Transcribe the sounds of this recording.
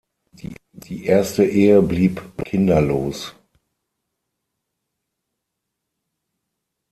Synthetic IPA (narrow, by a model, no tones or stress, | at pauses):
i | d̥iːʔeːɐstəʔeːəbliːpkʰɪndɐloːs